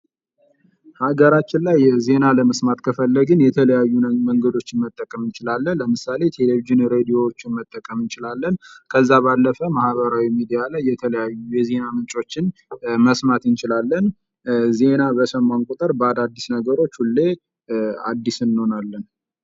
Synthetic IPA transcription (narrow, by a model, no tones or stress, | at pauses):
haɡəɾat͡ʃːɪnlajze̞naləməsmat̪kʰəfəlːəɡɨnjɛt̪ʰələjajːuməŋɡəd̪o̞t͡ʃːɪnmət̪ʼːəkʼəmɨnt͡ʃɪlalːələmɨsale̞t̪ʰe̞leviʒɨnɾe̞d̪ijo̞wot͡ʃːɪnmət̪ʼːəkʼəmɨnt͡ʃɪlalːənkʰəzːaβalːəfəmahbəɾawimid̪ijalajːɛt̪ʰələjajːujɛze̞namɨnt͡ʃʼo̞t͡ʃːɪnməsmat̪ɨnt͡ʃɪlalːən | ze̞nabəsəmːankʼut̪ʼəɾbəad̪ad̪ːisnəɡəɾo̞t͡ʃːhulːe̞ | ad̪ːisɨnːho̞nalːən